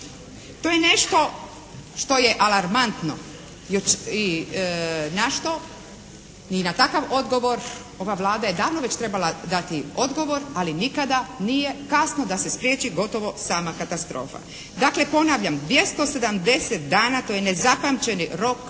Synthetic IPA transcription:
t̪ojene̞ʃt̪o̞ | ʃt̪o̞je̞ʔalaɾmant̪no̞̰ | jot͡ʃi | naʃt̪o̞ | ninat̪akaʋo̞d̪ɡo̞ʋo̞ɾ | o̞ʋaʋlˠaːd̪aje̞d̪aːʋnoʋet͡ɕt̪ɾe̞balad̪at̪io̞d̪ɡo̞ʋo̞ɾalinikad̪anije̞kasnod̪ase̞spɾjeːt͡ɕiɡo̞t̪o̞ʋo̞saːmakat̪ast̪ɾo̞̰ːfa̰ | d̪akle̞po̞naːʋʎamd̪ʋje̞st̪o̞se̞d̪amd̪e̞set̪̚d̪aːnat̪ojene̞zapamt͡ɕe̞niɾo̞k

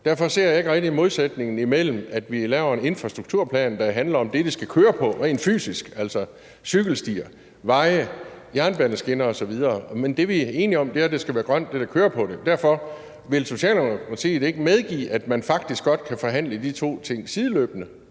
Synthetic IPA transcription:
d̥æɐfɒ̽se̝ɐ̰je̝ɡ̥ʁɛɡ̥̚d̥iimo̝ðˠsed̥ne̝ŋn̩imel̰m̩æd̥ʋilɛːʊɐene̝nfʁɑ̈sd̥ʁuɡ̥̚t͡sʰuɐ̰pʰlɛ̰ːnd̥ɑ̈ɦænlɐɒ̽md̥e̝d̥esɡ̥ækʰøːɐpʰɒ̽ʁenfy̰ːsisɡ̥æl̰sɒ̽ | syɡ̥l̩sd̥ḭːɐ | ʋɑ̈ɪəjæɐnb̥ænəsɡ̥e̝nɐɒ̽sɒ̽ʋið̞ˠɐːmend̥e̝ʋie̝ːniɒ̽md̥e̝æɐd̥esɡ̥æʋæːɐɡ̥ʁɶn̰d̥e̝ɾ̥ɑkʰøːɐpʰɒ̽d̥e̝d̥æɐfɒ̽ | ʋe̝lso̝ɕɛ̰ːlosḭːd̥ee̝ɡ̥əmeð̞ˠɡ̥ḭːʔæd̥mænfɑ̈ɡ̥̚d̥isɡ̥ɒ̽d̥kʰæfɒ̽ɦæn̰ləd̥it͡sʰo̝̰ːt͡sʰe̝ŋ̰sið̞ˠlø̰ːb̥nə

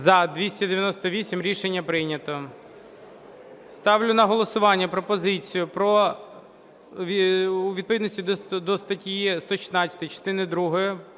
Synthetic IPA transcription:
zɐd̪ʋʲisʲtʲɐd̪eʋʲjɐnɔst̪ɔʋʲisʲimɾʲiʃenʲːɐpɾɪnʲɐt̪ɔ | st̪ɑwlʲʊnɐɦɔlˠɔsʊʋɑnʲːɐpɾɔpɔzɪt͡sʲijʊpɾɔ | ʋʲuʋʲid̪̚pɔʋʲid̪sʲtʲid̪d̪ɔst̪ɐtʲijist̪ɔʃɪ̥t̪nɑt͡sʲɐ̥t̪ɪt͡ʃɔ̥t̪ɪnɪd̪ɾuɦɔjɛ

